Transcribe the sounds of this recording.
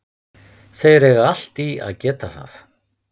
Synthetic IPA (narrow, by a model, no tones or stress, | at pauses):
seːjɪɾɛɣaal̥t̪ia̰ðcɛːt̪aθa̰θ